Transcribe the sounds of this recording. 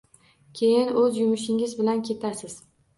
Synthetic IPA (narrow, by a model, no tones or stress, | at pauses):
kʲʰe̞jɪnɵzjʊmɪʃ̬ɪŋɪzbɪlankʲʰe̞t̪ʰasɪz̥